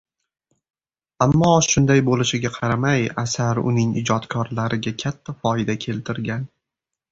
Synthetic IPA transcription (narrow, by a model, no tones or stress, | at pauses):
amːɒʃʊnd̪ajbolɪʃɪɡʲaqʰɑɾamajasaɾʊ̰nɪŋɪ̰d͡ʒɒt̪kʰɒɾlaɾɪɡʲakʲʰat̪ʰːafɒɪd̪akʲʰe̞lt̪ʰɪɾɡʲan